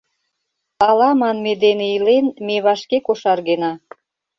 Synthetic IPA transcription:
ɑlɑmɑnmed̪eneilenmeβɑʃkekoʃɑrɣenɑ

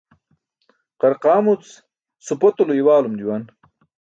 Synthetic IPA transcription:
qɐɾqaːmut͡s | supot̪uloiwaːlumd̪iwan

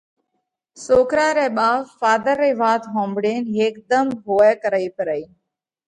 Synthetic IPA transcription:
soːkɾaːɾeːɓaːʋfaːd̪əɾːeːʋaːt̪ɦõːmbɽeːnɦeːkd̪əmɦoːɛːkəɾəiːpəɾəːiː

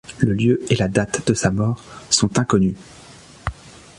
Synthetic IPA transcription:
ləljøelad̪at̪d̪̥əsamɔːʁsɔ̃t̪ɛ̃kɔny

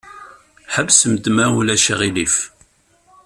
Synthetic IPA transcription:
ħəbsəmd̪mæulæʃəʁilif

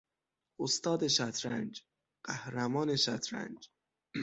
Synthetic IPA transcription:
ost̪ɒːd̪eʃæt̪ʰɾæ̰nd͡ʒ | ɢ̥æhɾæmɒːne̞ʃæt̪ʰɾæ̰nd͡ʒ

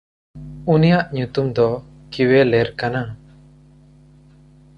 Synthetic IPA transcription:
unijaʔɲut̪umd̪ɔ | kiwɛlɛɾkana

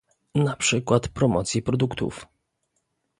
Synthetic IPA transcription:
napʂɘkwat̪pɾɔmɔt̪sʲjipɾɔd̪ukt̪ṵf

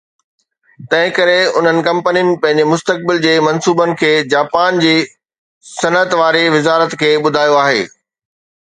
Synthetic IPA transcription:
t̪ɐ̃ɦɪ̃kɐɾeʊn̤ənɪ̆kɐ̃mpənijʊnɪ̆pɐ̃ɦɪ̃ɲd͡ʑemʊst̪ək̚bɪld͡ʑeːmɐ̃nsuːbənɪ̆kʰeːd͡ʑaːpaːnd͡ʑeː | sɐnət̪ʋaːɾeʋɪzaːɾət̪kʰeːɓʊd̪ʱaːjoaːɦeː

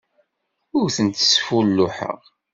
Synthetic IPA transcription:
ʊɾθənt̪ə̥sfulːʊħə̰ʁ

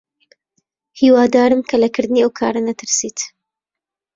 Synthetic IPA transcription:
hiːwaːd̪aːɾɨmkʰɐlɐkʰɨɾd̪ɨneːʔɐwkʰa̰ːɾɐnɐt̪ʰɨɾsiːt̪

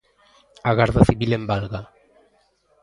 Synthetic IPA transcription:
aɣaɾðaθiβilembalɣa

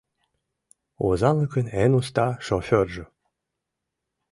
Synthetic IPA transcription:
ozɑlɤkənenust̪ɑʃofʲørʒə̆

